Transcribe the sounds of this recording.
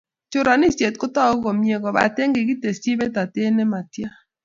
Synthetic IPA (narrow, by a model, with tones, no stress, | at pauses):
t͡ʃʊ˨ɾa˨nɪ˦sje˨t̚kʊ˦tɔ˦o˦ɡo˨mje˨ɡɔ˨ba̰˨te˦ŋɡɪ˨ɡi˦te˨si˦bɛ˦ta˨te˦ne˦ma˨tja˦